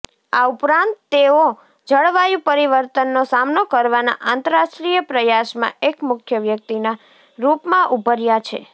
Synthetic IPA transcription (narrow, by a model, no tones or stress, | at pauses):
aupɾãnt̪ːeo | d͡ʒəɭʋajũpəɾiʋəɾt̪ənːosamnokəɾʋana̰ʔant̪əɾaʃʈɾijəpɾəjaʃmã̰ekmʊkʰjəʋjək̚t̪ina | ɾupmãʔubʱəɾjat͡ʃʰḛ